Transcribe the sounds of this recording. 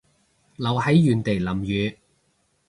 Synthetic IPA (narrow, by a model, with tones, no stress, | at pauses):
lɐ˨˧whɐ˨˥jjyː˨nt̪e˨jlɐ˨˩mjyː˨˧